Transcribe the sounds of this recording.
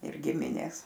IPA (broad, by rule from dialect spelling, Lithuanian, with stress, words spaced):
ɪr ˈɡʲɪmʲɪnʲeːs